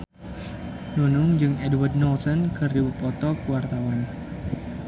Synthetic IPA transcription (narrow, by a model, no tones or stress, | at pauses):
nunʊŋd͡ʒɨŋɛdward̚nɔlsɔnkʰɨrdibupɔt̪ɔkuwart̪awan